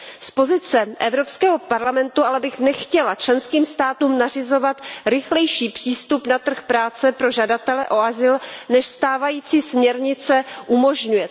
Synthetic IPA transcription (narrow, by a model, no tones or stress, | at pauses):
spo̞zɪt͡sɛʔɛvɾo̞pskɛːɦo̞paɾlamɛnt̪uʔalɛbɪxnɛxcɛlat͡ʃlɛnskiːmst̪aːt̪uːmnar̝ɪzo̞vat̪ɾɪxlɛjʃiːpr̝̥iːst̪upnat̪r̩xpɾaːt͡sɛpɾo̞ʒadat̪ɛlɛʔo̞azɪlnɛʃst̪aːvajiːt͡siːsmɲɛɾɲɪt͡sɛʔumo̞ʒɲujɛ